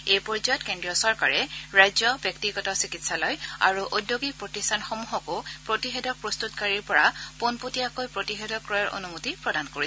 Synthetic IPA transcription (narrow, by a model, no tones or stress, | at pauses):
ejpɔɹzɔjɔtkendɹijɔsɔɹka̰ɹɛɹajzɔbjɔk̚tiɡɔtɔsikitsalɔja̰ɹuʔodjoɡik̚pɹotistʰanxomuɦɔkʊpɹotixɛdɔk̚pɹɔst̪utkaɹiɹpɔɹaponpotiakojpɹotixedɔkɹɔjɔɹo̰numutipɹɔdankoɹiɛ